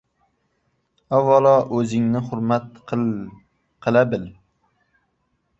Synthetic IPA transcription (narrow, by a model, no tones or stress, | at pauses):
awːɑlɒʔɵzɪŋnɪhʊɾmat̪̚ | qʰɨlabɪl